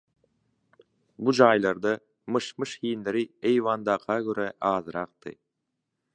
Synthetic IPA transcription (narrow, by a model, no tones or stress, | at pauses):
bud͡ʒɑːjlˠɑɾd̪ɑ | mɯʃmɯʃhiːnleɾiejvɑːnd̪ɑːqʰɑɡøɾæʔɑːzɯɾɑq̚t̪ɯ̰